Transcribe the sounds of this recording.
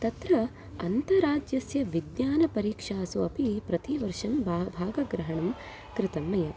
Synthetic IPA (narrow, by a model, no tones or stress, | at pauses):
t̪ɐt̪ɾɐ | ɐnt̪ɐɾaːd͡ʒjɐsjɐʋid̪jaːnɐpɐɾiːkʂaːsuɐpipɾɐt̪iʋɐɾʂɐmbʱabʱaːɡɐɡɾɐɦɐɳɐm | kɾɪt̪ɐmːɐjɐ